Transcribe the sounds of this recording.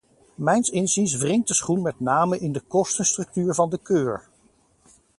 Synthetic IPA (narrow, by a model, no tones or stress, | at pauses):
mɛjnsɪnzinsvrɪŋt̚dəsχunmɛtnaːməʔɪndəkɔstənstrɵk̚tyːɹvɑndəkøːɹ